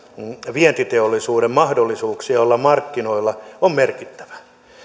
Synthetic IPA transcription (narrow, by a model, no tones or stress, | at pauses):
ʋiɛnt̪it̪eolːisuːɾemmɑhdolːisuːksiɑolːɑmmɑrkːinoilːɑommerkit̪ːæ̥ʋæ̥